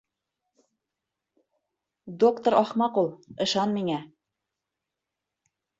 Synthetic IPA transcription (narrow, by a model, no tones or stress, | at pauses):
d̪okt̪ŏɾɑχmɑqulˠɤ̆ʃɑnmiŋæ